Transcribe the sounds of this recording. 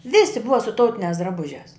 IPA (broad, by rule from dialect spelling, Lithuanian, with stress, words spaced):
ˈʋʲɪsʲɪ ˈbʊʋɐ sʊ ˈtɐʊtʲɪnʲæːs drɐˈbʊʒʲæːs